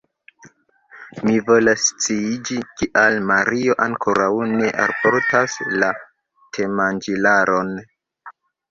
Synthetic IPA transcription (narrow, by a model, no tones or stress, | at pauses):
mivo̞last͡siid͡ʒikiʔalmaɾio̞ʔaŋkʰo̞ɾawne̞ʔa̰lpo̞ɾtasla | tʰe̞mand͡ʒilaɾo̞n